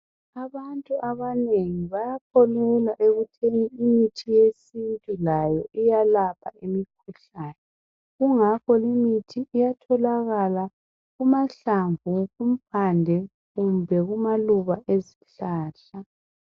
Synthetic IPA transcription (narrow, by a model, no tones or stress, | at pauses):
aβantʼuʔaβaneŋiβajakʰɔlɛlwaʔeɣutʰeŋiimitʰijesintʼulajɔʔijalapʰaimikʰuɬaːnɛ | ɣuŋakʰɔlimitʰiʔːjatʰɔlaɣala | ɣumaɬaɱvʱuɣum̩pʰandʱɛ | ɣumbʱɛɣumaluβaʔeziɬaːɬa